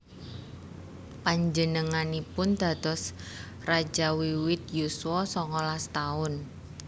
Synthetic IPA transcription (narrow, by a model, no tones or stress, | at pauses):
paɲd͡ʒənəŋanipʊnd̪̥ä̤d̪̥ɔ̤s | rad͡ʒawiwɪt̪̚juswɔsɔŋɔlast̪aʊn